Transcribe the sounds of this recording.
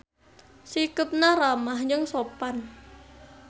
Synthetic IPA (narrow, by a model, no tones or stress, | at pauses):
sikəp̪̚naɾamahɲd͡ʒəŋsopan